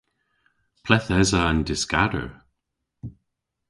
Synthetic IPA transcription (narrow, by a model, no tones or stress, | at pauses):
pʰlɛθɛzaːndɪskadə̰ɹ